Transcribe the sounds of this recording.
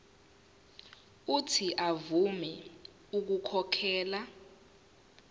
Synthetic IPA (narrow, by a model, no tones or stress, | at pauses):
utʰiʔavumɛ | uk̬ukʰɔkʰɛːla